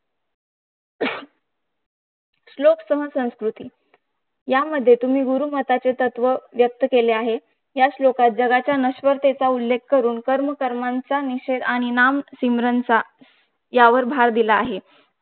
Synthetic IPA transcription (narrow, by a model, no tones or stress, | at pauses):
sloksəɦəsə̃w̃skɾut̪iː | jaməd̪ʱːjet̪um̤iːɡuɾuːmət̪at͡set̪ət̪ʋəʋjək̚t̪əkeleaɦe | jaɕlokat̪̚d͡zəɡat͡ɕjanəɕʋəɾt̪et͡saulːekkəɾuːnkəɾməkəɾmant͡saniɕed̪aɽ̃inamsimɾənt͡sa | jaʋəɾbʱaɾd̪ilaːɦe